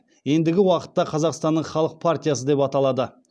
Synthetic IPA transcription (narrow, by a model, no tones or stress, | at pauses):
je̞nd̪ɪɡʲɪwɑqə̥t̪ːɑqʰɑzɑqst̪ɑnːəɴχɑlˠəq̚pʰart̪ʲijasəd̪e̞pɑt̪ɑlˠɑd̪ə